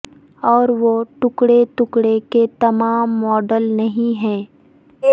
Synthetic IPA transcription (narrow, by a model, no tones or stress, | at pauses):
ɔːɾʋoʈʊkɽet̪ʊkɽeket̪ɐmaːmːɔːɖəlnɐɦĩɦɛ̃ː